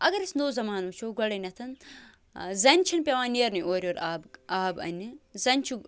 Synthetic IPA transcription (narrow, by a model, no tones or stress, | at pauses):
ɐɡɐɾisnoːzɐmaːnut͡ʃʰoːɡɐɽɐnʲɐt̪ʰɐn | zɐnʲt͡ʃʰinpʲɐʋãːnʲeːɾnɨjoːɾʲoːɾaːbaːbɐ̰nʲːɨzɐnʲt͡ʃʰu